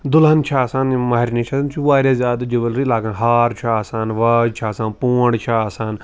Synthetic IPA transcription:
d̪ʊlɦɐnt͡ʃʰaːsaːnmaɦiɾnit͡ʃʰaːsant͡ʃʰuʋaːɾʲjazʲaːd̪d͡ʒɐʋəlɾilaːɡanɦaːɾt͡ʃʰaːsaːnʋaːd͡ʒt͡ʃʰaːsaːnpuːɳɖt͡ʃʰaːsaːn

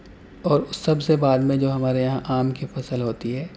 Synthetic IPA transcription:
ɔːɾʊsːɐbsebaːd̪mẽd͡ʒoːɦɐmaːɾejɐɦãʔaːmkifɐsəlɦoːt̪iɦɛː

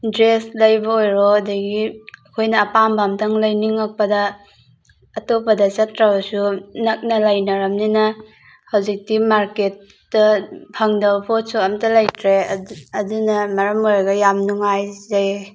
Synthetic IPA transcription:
dɾeslɐjbɐojɾɔɐdɐɡiɐkʰojnɐːpambamtʰɐŋlɐjniŋːɐk̚pɐdɐ | topɐdɐt͡ʃɐtʰɾɐbɐsunɐk̚nɐlɐjnɐɾɐmninɐ | hawzik̚dimaɾket̚ː | ɐpʰɐŋdɐwpʰotsuɐmtɐlɐjtʰɾeɐdunɐmɐɾɐmoɾɡɐjamnuŋajzaj

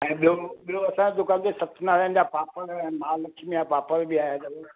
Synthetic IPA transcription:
ɛ̃ːɓioɓioɐsãd͡ʑẽd̪ʊkãːnd͡ʑesɐt̪ʰnaːɾiənɪ̆d͡ʑaːpaːpəɾɛ̃ːmaːlɐkʰimẽjapaːpəɾbiaːɦjad͡ʑɐo

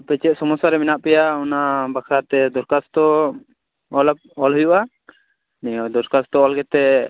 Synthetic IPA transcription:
pɛt͡ʃɛt̪̚sɔmɔsaɾɛminaʔpɛjaunabakʰat̪ɛd̪ɔɾkast̪ɔ | ɔlk̚ɔlɦujuʔa | nɛd̪ɔɾkast̪ɔɔlɡɛt̪ɛ

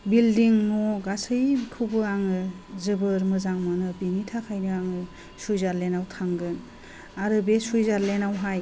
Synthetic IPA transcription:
bildiŋnɔɡasɯjkʰubɯaŋɯ | zɯbɯɾmɯzaŋmɯnɯbinitʰakʰajnɯaŋɯ | sujzaɾlenawtʰaŋɡɯn | aɾɯbesujzaɾlenawɦaj

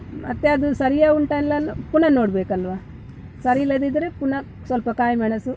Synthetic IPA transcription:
mɐ̰t̪ːeɐd̪usɐɾijauɳʈanlɐnpunɐnoːɽbeːkɐlʋa | sɐɾilɐd̪id̪ɾepunɐ | sɐlpɐkaːjmɐɳɐsu

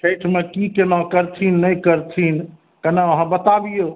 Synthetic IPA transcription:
ʈʰejʈʰmekikenɔkəɾt̪ʰinːəjkəɾt̪ʰin | kənaəɦãbət̪abijo

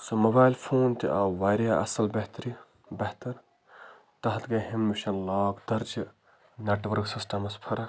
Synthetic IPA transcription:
sɐmobaːjlpʰoːnt̪iɐʋaːɾjaːɐ̰sɐlbɐɦt̪ɾi | bɐht̪ɐɾ | t̪ɐɦt̪ɡɐɦimːuʃɐnlaːkd̪ɐɾd͡ʒ | neʈʋɐɾksɪsʈɐmɐspʰɐɾɐ

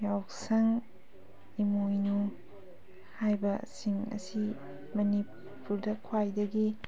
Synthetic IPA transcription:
jawsɐŋ | imojnu | hajbɐsiŋɐ̰si | mɐni | puɾdɐkʰwajdɐɡi

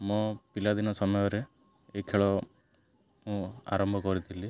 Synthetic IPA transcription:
mɔ̃pilad̪inɔsɔmɔjɔɾe | ekʰeɭɔ | mũa̰ɾɔmbʱɔkɔɾit̪ʰili

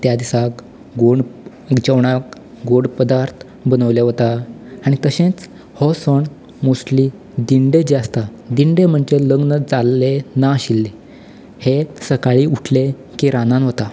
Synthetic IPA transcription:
t̪jad̪isak | ɡoɳ | d͡ʑəʋɳak | ɡoɽpəd̪aɾt̪ʰ | bənəʋleɦot̪aaɽ̃ik̪əɕẽt͡s | hɔsɔɳ | mosli | d̪iɳɖed͡ʑeast̪ad̪iɳɖem̤əɳd͡ʑeləɡnəd͡zalːenaəɕilːe | hesəkaɭiːuʈʰle | kiɾanãnɦot̪a

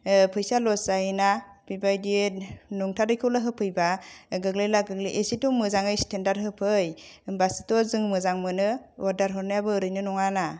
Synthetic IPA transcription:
pʰɯjsalɔsajinab̥ibajdinuŋtʰadɯjkʰɯlaɦɯpʰɯjbaɡɯɡlejlaɡɯɡlejʔesitɔmɯzaŋɯjstʰendaɾ̚ɦɯpʰɯjmbasitɔzɯŋmɯzaŋmɯnɯɔɾdaɾɦɯɾnɯjabɯɾɯjnɯnɔŋana

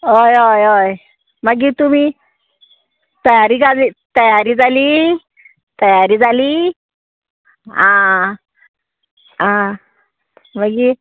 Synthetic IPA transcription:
ojojoj | maɡit̪umi | t̪ajaɾikazit̪ajaɾizali | t̪ajaɾizali | ã | a | maɡi

